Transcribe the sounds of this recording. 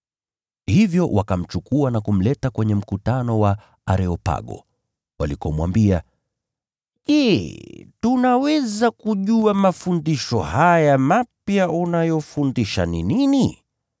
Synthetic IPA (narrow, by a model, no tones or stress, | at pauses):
hivjɔwʔakam̩t͡ʃukuanakum̩lɛtakwɛɲɛm̩kutanɔwa | a̰ɾɛɔpa̰ɠɔ̰ | walikɔmwa̰mbia | ʄɛ | tunawɛzakuʄuamafundiʃɔhajamapjaunajɔfundiʃa̰ninini